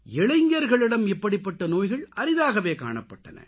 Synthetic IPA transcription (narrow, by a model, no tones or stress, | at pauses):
ɛɭɐɪŋɡɐɾɣɐɭɪɽɐmɪpːɐɽɪpːɐʈːɐnoːjɣɐɭʔɐɾɪðaːɣɐʋeːka̰ːɳɐpːɐʈːɐnɐ̰